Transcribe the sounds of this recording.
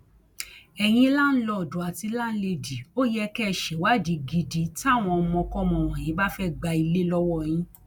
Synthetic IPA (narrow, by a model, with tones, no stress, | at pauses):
ɛ˨j̃ĩ˧˦la˦˨n̩˦lɔ˦˨du˨a˧ti˧˦la˦˨n̩˦le˦˨di˨o˦jɛ˦kɛ˦˨ʃɛ˨wa˦˨di˨˧ɡi˧di˨ta˦˨w̃ɔ̃˧mɔ̃˧kɔ˦˨mɔ̃˧˨w̃ɔ̃˨jĩ˨˦ba˦fɛ˦˨ɡ͡ba˧i˧le˦lɔ˦wɔ˦˨j̃ĩ˧˦